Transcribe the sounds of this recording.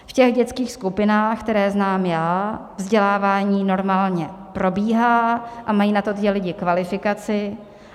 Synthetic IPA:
fcɛɣɟɛt͡skiːxskupɪnaːxkt̪ɛɾɛːznaːmjaːvzɟɛlaːvaːɲiːno̞ɾmaːlɲɛpɾo̞biːɦaːʔamajiːnat̪ot̪jɛlɪɟɪkvalɪfɪkat͡sɪ

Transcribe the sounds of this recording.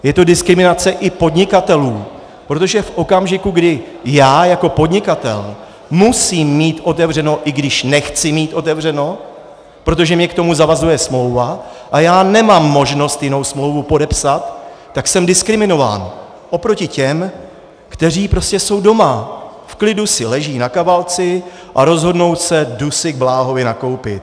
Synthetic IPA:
jɛt̪o̞dɪskɾɪmɪnat͡sɛʔɪpo̞dɲɪkat̪ɛluː | pɾo̞t̪o̞ʒɛfʔo̞kamʒɪkuɡdɪ | jaːjako̞po̞dɲɪkat̪ɛ̰l | musiːmːiːt̪ʔo̞t̪ɛvr̝ɛno̞ʔɪɡdɪʃnɛxt͡sɪmiːt̪ʔo̞t̪ɛvr̝ɛno̞ | pɾo̞t̪̬o̞ʒɛmɲɛkt̪o̞muzavazujɛsmlo̞wvaʔajaːnɛmamːo̞ʒno̞st̪jɪno̞wsmlo̞wvupo̞dɛpsat̪ː | aksɛmdɪskɾɪmɪno̞va̰ːn | ʔo̞pɾo̞cɪcɛm | kt̪ɛr̝iːpɾo̞scɛso̞wdo̞ma | fklɪdusɪlɛʒiːnakavalt͡sɪ | ʔaɾo̞zɦo̞dno̞wsɛdusɪɡ̚blaːɦo̞vɪnako̞wpɪt̪

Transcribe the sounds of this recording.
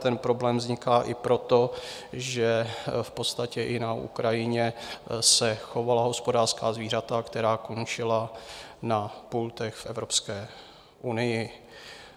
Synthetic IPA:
t̪ɛnpɾo̞blɛːmvzɲɪkaːʔɪpɾo̞t̪o̞ʒɛfpo̞t̪st̪acɛʔɪnaʔṵkɾajɪɲɛsɛxo̞valaɦo̞spo̞daːrskaːzviːr̝at̪akt̪ɛɾaːko̞nt͡ʃɪlanapult̪ɛxfʔɛvɾopskɛː | ʔunɪjɪ

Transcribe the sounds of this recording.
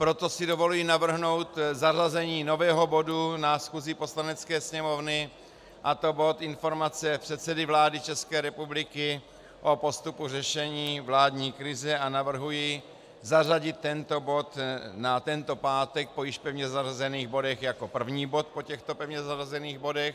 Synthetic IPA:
pɾo̞t̪o̞sɪdo̞vo̞lujiːnavr̩ɦno̞wt̪zarazɛɲiːno̞vɛːɦo̞bo̞dunasxuzɪpo̞slanɛt͡skɛːsɲɛmo̞vnɪ | ʔat̪o̞bo̞t̪ɪnfo̞ɾmat͡sɛpr̥ɛt̪sɛdɪvlaːdɪt͡ʃɛskɛːɾɛpublɪkɪ | ʔo̞po̞st̪upurɛʃɛɲiːvlaːdɲiːkɾɪzɛʔanavr̩ɦuji | zaraɟɪt̪ːɛnt̪o̞bo̞t̪nat̪ɛnt̪o̞paːt̪ɛk̚pojɪʃpɛvɲɛzarazɛniːɣbo̞dɛxjako̞pr̩vɲiːbo̞t̪̚po̞cɛxt̪o̞pɛvɲɛzarazɛniːɣbo̞dɛx

